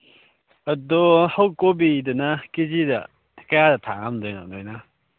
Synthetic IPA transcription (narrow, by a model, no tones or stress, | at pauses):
ɐdɔhawkobidɯnakizidɐ | kɐjadɐtʰaŋamdɔjna̰dɔjna